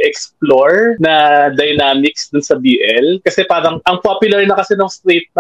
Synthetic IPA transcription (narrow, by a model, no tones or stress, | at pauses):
ʔɛksploɹnɐd̪ɐjnaːmɪksd̪ʊnsɐbiːʔɛlkɐsɛpaːɾɐŋʔɐŋpapjʊlɐɹnɐkɐsɛnoŋst̪ɾejt̪̚nɐ